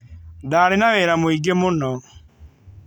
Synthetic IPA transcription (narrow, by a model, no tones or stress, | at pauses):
daːɾenaβeɾamoiɡemonɔ